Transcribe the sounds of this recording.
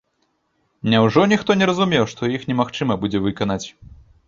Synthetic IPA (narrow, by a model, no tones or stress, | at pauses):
nʲawʐɔnʲixt̪ɔnʲɛɾɐzumʲɛwʂt̪ɔjixnʲɛmaxt͡ʂɨmɐbud͡zʲɛvɨkanat͡sʲ